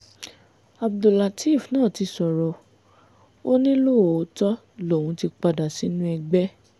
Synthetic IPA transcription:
a˨b̚do˨la˨ti˦˨fnãː˦˨ti˧sɔ˨ɾɔ˨˧ | o˦nĩ˦lo˦o˨o˨˦tɔ˦ | lo˨wũ˨˧˦ti˧k͡pa˧da˨si˨˦nũ˦ɛ˧ɡ͡bɛ˦

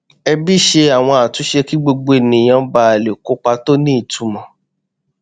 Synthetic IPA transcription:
ɛ˧bi˦˨ʃe˧a˨w̃ɔ̃˧a˨tũ˨˦ʃe˧ki˦ɡ͡bo˧ɡ͡bo˧e˨nĩ˨j̃ã˨˦ba˧˦a˨le˨ko˦k͡pa˧to˦nĩ˦˨tu˨˧˦mɔ̃˨

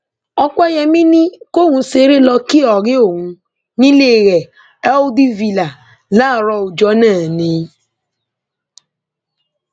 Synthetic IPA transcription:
ɔ˧k͡pɛ˦jɛ˧mĩ˦nĩ˦ko˦˨ŋũ˧se˨˦ɾe˦lɔ˧ki˦ɔ˨ɾe˦o˦˨ŋũ˧ | nĩ˦le˦˨ɣɛ˨ | ɛ˦di˦vi˦la˨ | laː˦˨ɾɔ˧u˨d͡ʒɔ˨˦nãː˦˨nĩ˨˦

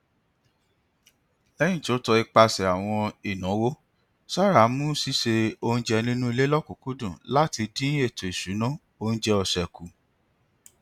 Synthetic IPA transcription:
lɛ̃˦ĩ˦˨to˨˦tɔ˧i˧k͡pa˧sɛ˨a˨w̃ɔ̃˧i˦˨nã˨˦wo˦ | sa˦˨ɾa˨˦mũ˦si˦ʃe˧o˧ũ˧˦d͡ʒɛ˧nĩ˦nũ˦i˧le˦lɔ˦˨ku˨˦ku˦dũ˦˨la˦ti˧dĩ˦e˦˨to˨i˨su˨˦nã˦ | o˧ñ̩˦d͡ʒɛ˧ɔ˧˨ʃɛ˨ku˨˦

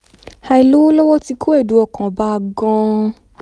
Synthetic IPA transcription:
ha˧i˨lo˦wo˦lɔ˦wɔ˦ti˧kʰu˦e˦˨du˨˦ɔ˦˨kã˨ba˧ɡɔ̃˧

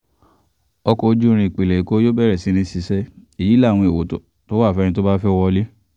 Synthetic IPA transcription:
ɔ˧kɔ˧d͡ʒu˦˧ɾ̃ĩ˧i˨k͡pe˨le˨i˨ko˦jo˦bɛ˦˨ɾɛ˨si˨˦ɾ̃ĩ˧si˨˧sɛ˦e˨ji˨˦la˦˨w̃ɔ̃˧e˨wo˨˦to̰˨ | to˦wa˦˨fɛ̃˧˦˧ĩ˧to˦ba˦fɛ˦˧wɔ˧li˦

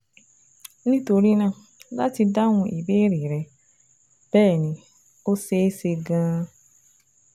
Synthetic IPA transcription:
nĩ˦to˧ɾi˦nã˧˦ | la˦ti˧da˦ŋʊ̃˧ʔi˨be˦ɾi˨ɾɛ˨ | b̥ɛː˦˨nĩ˨ | o˦se˦se˧ɡãː˦

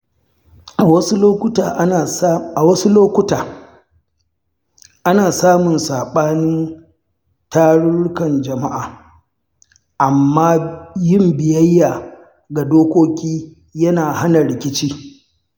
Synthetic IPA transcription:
ʔa˨wɐ˦su˦loː˦kʷʊ˦taː˨˦ | a˨wɐ˦su˦loː˦kʷʊ˦taː˨ | ʔa˦naː˨saː˦mʊ˨nsaː˨ɓaː˦nɪ˦n | taː˦ɽʊ˦ɽkɐ˨nd͡ʒɐ˨ma˦ʔaː˨ | ʔa˨mːaː˦jɪ˦mbɪ˨jɐ˦jːaː˨ | ɡa˨doː˦kʷoː˦kʲiː˦ | jɐ˦naː˨ha˦nɐ˨ɽɪ˨kʲɪ˦t͡ʃiː˦

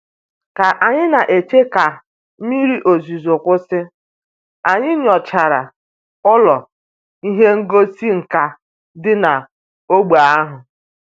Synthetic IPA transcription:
ka˨ʔa˨ɲɪ˦na˨ʔe˨t͡ʃe˦ka˨˦ | mi˦ɾi˦ʔo˨zi˨zʊ˨kʷʊ˦sɪ˦ | a˨ɲɪ˦nɪ˦ɔ˨t͡ʃa˨ɾa̰˨ | ʊ˦lɔ˨ | i˦ɦe˦ŋ̩˦ɡo˦si˦ŋ̩˨ka˨ | dɪ˦na˨ | o˦ɡ͡ba˨a˦ɦʊ˨

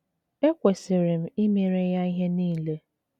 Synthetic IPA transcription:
e˦kʷe˨sɪ˨ɾɪ˨m̩˦i˦me˨ɾe˦ja˦i˦ɦe˦niː˦˨le˦

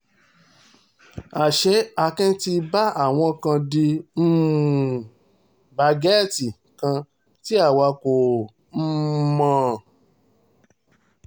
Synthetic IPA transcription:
a˨ʃɛ˨˦a˧kɛ̃˦ti˧ba˦a˦˨w̃ɔ̃˧kã˧di˧m̩˦˨ | ba˧ɡɛ˦˨ti˨ | kã˧ | ti˦a˦˨wa˧ko˨ | m̩˦mã˧

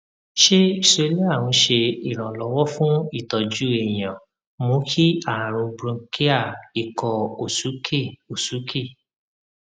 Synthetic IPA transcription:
ʃe˦i˦˨sɾe˨˧˦li˦a˦˨w̃ɔ̃˧ʃe˧i˨ɾ̃ã˨lɔ˨˦wɔ˦fũ˦i˦˨tɔ˨d͡ʒu˦ẽ˨ã˨ | mõ˨˧˦kʰi˦a˦˨ã˨ɾ̃ũ˧bɾũ˧ki˦a˦˨i˨kɔ˧o˨su˨˦ke˦˨o˨su˨˦kʰe˦˨

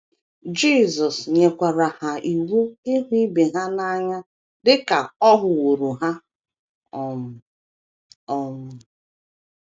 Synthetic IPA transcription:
d͡ʒi˦˨zɔ˨sɲe˨kʷa˨ɾa˨ha˨i˨wu˦ɪ˦ɦʊ˦i˦be˨ɦa˦na˦ɲa˦ | dɪ˦ka˨ɔ˦ɦʊ˨wo˨ɾu˨ɦa˦ | ɔ˨ | ɔ˨mʊ˨

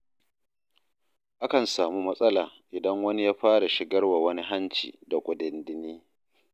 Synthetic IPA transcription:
ʔa˦kɐ˨nsaː˨mu˦mɐ˦sʼɐ˦laː˨ʔɪ˨dɐ˦ŋwɐ˦ni˦jaː˦ɸaː˦ɽa˨ʃɪ˨ɡɐ˦rwa˨wɐ˦ni˦ɦa˦nt͡ʃḭː˨da˨kʷʼʊ˨dɪ˨ndɪ˦niː˦

